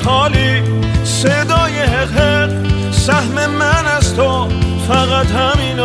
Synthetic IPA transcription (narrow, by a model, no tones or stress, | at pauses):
ɒːliː | sed̪ɒːjeɦeqɦeq | sæhmemænæst̪ʰo | fæɣæt̪hæmiːn